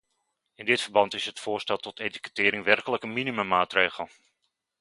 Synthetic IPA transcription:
ɪndɪtfəɹbɑntɪsɦətfʊːɹstɛlˠtɔteti̥kə̥tɪːɾɪŋʋɛrkələkəminiməmːaːtreːχəlˠ

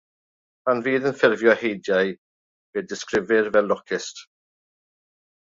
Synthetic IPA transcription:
anviːd̪ɪnfɛɾvjɔħiːd̪jɐj | vɪd̪ːɪskɾɪvɪɾvɛlːɔkʰːɪst̪

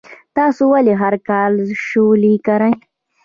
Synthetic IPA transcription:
t̪ɑːsuwaleɦaɾkɑːlʃulikaɾaj

